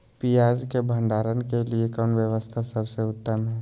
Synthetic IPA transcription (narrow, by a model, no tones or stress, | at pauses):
pijaːd͡ʒkebʱə̃ɳɖaːɾənkeliekɔːnʋjəʋəst̪ʰasɐbseʊt̪ːəmɦɛː